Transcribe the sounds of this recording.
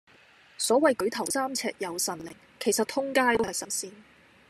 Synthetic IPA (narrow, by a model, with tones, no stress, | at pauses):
sɔː˨˥wɐ˨jkɵ˨˧˥ɥt̪ʰɐ˨˩wsaː˥mt͡sʰɛ̰ː˧k̚jɐ˨˧wsɐ˨˩nlɪ̰˨˩ŋ | kʰe˨˩jsɐ˨t̪ʰʊ˥ŋkaː˥jt̪o˥ɐ˨jsɐ˨˩nsiː˧n